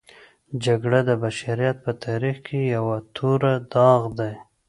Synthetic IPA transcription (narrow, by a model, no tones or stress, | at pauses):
d͡ʒaɡɽad̪əbaʃaɾijat̪̚pət̪ʰɑɾixkʰejawat̪ʰoɾad̪ɑɣd̪aj